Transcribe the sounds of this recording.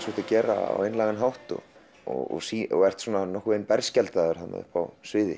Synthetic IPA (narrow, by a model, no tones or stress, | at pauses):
sɔt̪acɛːɾa̰a̰wejnlaːɣanɦawht̪ɔ̰ | ɔ̰ɔsiːɔɣɛr̥t̪sɔːnanɔhkːʏejnpɛɾscɛlt̪aðɛɾ̥hanːa̰ðʏ̰hpa̰wsvɪːðɪ̰